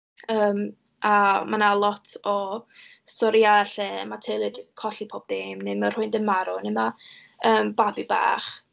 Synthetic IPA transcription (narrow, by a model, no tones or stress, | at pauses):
əːm | amanalˠɔtʰɔ | sɔɾjaɛɬɛmatʰelˠɨd̥kʰɔɬipʰɔːb̚ðeːmnemər̥hʊɨndənmaɾɔnɪma | əːmbabiba̰ːχ